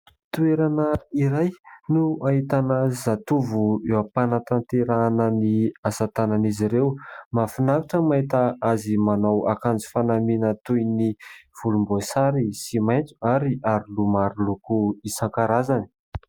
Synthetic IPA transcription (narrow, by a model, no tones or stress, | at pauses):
t̪ueɾanəiɾajnuaɦit̪anəzat̪uvuewapanat̪ant̪eɾanəniasat̪ananiziɾewmafinaɾiʈ͡ʂəmait̪aazimanawakand͡zi̥fanaminət̪ujniv̥ulumbosaɾisimaj̪t͡su̥aɾiaɾilumaɾulukuisaŋkaɾazani̥